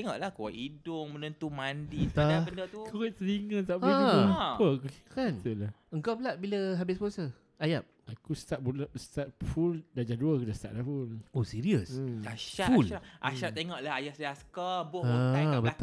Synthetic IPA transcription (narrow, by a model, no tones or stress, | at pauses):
eŋɔʔlahkuwaʔidʊŋmənənt̪umandit̪aaakəndət̪ukʰəwit̪̚səniŋəst̪aʔbəapəkukantula | əŋkawpəlaʔ̚biləɦabɪsposə | ajap̚akust̪aʔ̚bulast̪at̪̚fuldad͡ʒaduəkudast̪a̰ʔ̚lahfulosiɾiəsaʃafula̰ʃap̚t̪eŋɔʔlahajasdiaskabʊaabət̪